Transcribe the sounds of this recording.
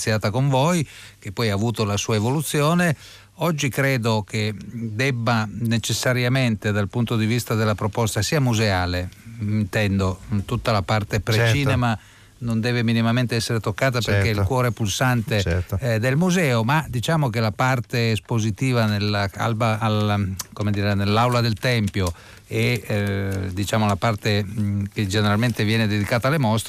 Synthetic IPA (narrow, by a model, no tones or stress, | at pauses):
sjaːt̪akoɱvɔjk̟epːɔjaːvuːt̪olasuːaevolut̪sːjɔːne | ɔd͡ʒːikɾeːd̪ok̟ed̪ɛbːanet͡ʃesːaɾjament̪ed̪alpunt̪od̪ivist̪ad̪elːapɾopɔst̪asiːamuzeaːleint̪ɛnd̪ot̪ut̪ːalapart̪epɾt͡ʃiːnema | nond̪ɛːveminimament̪eɛsːeɾet̪okːaːt̪apeɾeilkwɔːɾepulsant̪eɛd̪elmuzɛːomad̪it͡ʃaːmokelapart̪eːspozit̪iːvanelːaa̰lbaalkomed̪iːɾenelːawlad̪elt̪ɛmpjo | e | d̪it͡ʃaːmolapart̪eked͡ʒeneɾalment̪evjɛːned̪ed̪ikaːt̪alemɔst̪